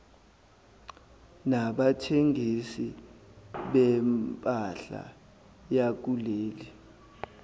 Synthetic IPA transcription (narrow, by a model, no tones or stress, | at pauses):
naɓatʰeŋʱisi | ɓɛmpʼaɬa̰ | jak̬uleːli